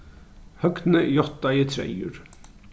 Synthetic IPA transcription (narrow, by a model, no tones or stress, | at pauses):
hœɡt̪n̩əjɔt̪ɑit̪ʰɾɛ̰jʉ̰ɾ